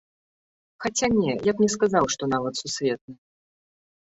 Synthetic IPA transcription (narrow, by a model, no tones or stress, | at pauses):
xat͡sʲanʲɛjapnʲɛskazawʂt̪ɔnavɐt̪susʲvʲɛt̪̚nɨ